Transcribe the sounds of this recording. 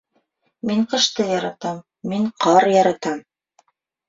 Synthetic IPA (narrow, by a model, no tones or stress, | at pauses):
miɴqɤ̆ʃt̪ɤjɑɾɑt̪ɑmː | iɴqʰɑɾjɑɾɑt̪ɑm